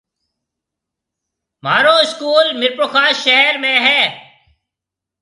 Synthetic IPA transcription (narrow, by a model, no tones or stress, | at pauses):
m̤aːɾoːɪskuːlmɪɾpoːxaːʃɛɦɾmẽːɦɛː